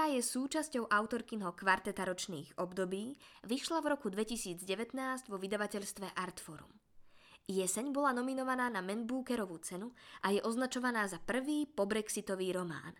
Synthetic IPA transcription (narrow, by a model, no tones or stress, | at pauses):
aːjɛsuːt͡ʃascɔʊʔaʊt̪ɔɾkinɦɔkʋaɾt̪ɛt̪aɾɔt͡ʃnḭːɣɔbd̪ɔbiːʋiʃlavɾɔkud̪ʋɛcisiːd͡zɟɛʋɛt̪naːzɟʋɔʋid̪aʋacɛʎst̪ʋɛʔaɾt̪fɔɾṵm | jɛsɛɲbɔlanɔminɔʋanaːnamɛnbuːkɛɾɔʋut͡sɛnuʔajɛʔɔznat͡ʃɔʋanaːzapr̩ʋiːpɔbɾɛksit̪ɔʋiːɾɔma̰ːn